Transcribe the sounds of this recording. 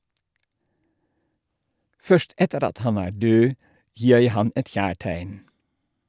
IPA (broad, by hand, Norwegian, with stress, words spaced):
ˈfœʃt ˈɛtəɾ ˈɑt ˈhɑn ˈæː ˈɖøː ˈjiː ˈjæɪ ˈhɑn ˈɛt ˈçæːˌʈæɪn